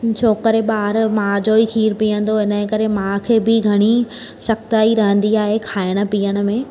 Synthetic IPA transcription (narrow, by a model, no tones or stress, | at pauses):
t͡ɕʰoːkəɾeɓaːɾmãːd͡ʑoːikʰiːɾpiːə̃nd̪oɦɪnə̆̃kɐɾemãkʰeːbɪɡʱɐɽ̃i | sɐkt̪aːiɾɐɦə̃nd̪iaːɦekʰaːɪɽ̃ə̆piːjəɽ̃ə̆mẽː